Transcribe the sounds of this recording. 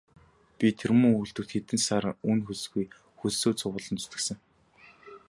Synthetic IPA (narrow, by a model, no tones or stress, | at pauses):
pʲit̪ʰermɵ̆ŋujɬt̪ɵ̆k̚t̪xet̪ɘ̆nsaːɾ̆ŋunxus̆ɣuj | xussoːt͡sʊʁʊːɮɞ̆nt͡sɵ̥t̪ɘ̆ksɘ̆ŋ